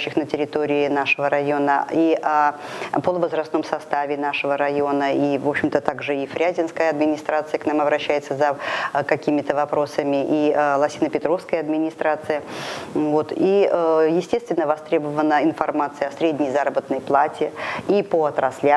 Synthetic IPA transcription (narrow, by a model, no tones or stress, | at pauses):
ɕːɪxnətʲɪɾʲɪt̪o̞ɾʲɪɪnaʂəvəɾɐjo̞nəiʔapolˠəvəzɾɐst̪no̞msɐst̪avʲɪn̪aʂəvəɾɐjo̞nəivo̞pɕɪmt̪ət̪aɡʐɨifɾʲæzʲɪnskəjəɐd̪mʲɪnʲɪst̪ɾat̪sɨjəknamɐbɾɐɕːæjɪt̪səzəkɐkʲimʲɪt̪əvɐpɾo̞səmʲɪʔilˠɐsʲinəpʲɪt̪ɾo̞fskəjəɐd̪mʲɪnʲɪst̪ɾat̪sɨjəvo̞t̪ijɪsʲtʲest̪vʲɪnːəvɐst̪ɾʲebəvənːəɪnfɐrmat̪sɨjəɐsɾʲedʲnʲɪjzaɾəbət̪nəjplˠatʲɪipoɐt̪ɾɐslʲa